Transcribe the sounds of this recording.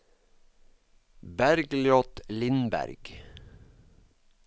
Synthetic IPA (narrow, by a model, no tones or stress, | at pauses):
bæɾɡljɔt̪lɪnbæ̰ɾɡ̥